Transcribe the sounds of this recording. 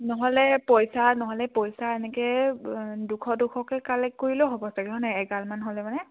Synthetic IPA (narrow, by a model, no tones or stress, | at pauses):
nɔɦɔlɛpɔjsanɔɦɔlɛpɔjsaɛnɛkɛ | dukʰɔdukʰɔkɛkalɛkːoɹiloɦɔbɔsaɡɛɦɔnajɛɡalmanɦolɛmanɛ